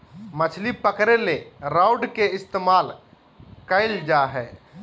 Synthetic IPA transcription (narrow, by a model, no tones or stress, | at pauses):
mət͡ʃʰlipəkɾeleɾaʊɖkeɪst̪eːmaːl | kəɪld͡ʒaɦɛː